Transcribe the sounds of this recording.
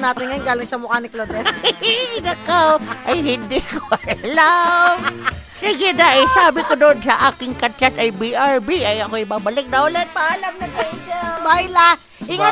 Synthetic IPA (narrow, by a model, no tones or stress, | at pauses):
naːt̪ɪnŋɐjonɡaːlɪŋsɐmʊkanɪklod̪ɛ | nɐkaʔɐjhɪnd̪ikoɐjɐlamsiɡɪd̪aʔɐjsaːbɪkod̪oʔod̪sɐʔaːkɪŋkɐt͡ʃasʔɐjbiʔaɹbiɐjɐkoʔɪbaːbɐlɪk̚nɐʊlat̪̚pɐhaːlɐmnɐt̪ɛd͡ʒabajla | ʔɪŋa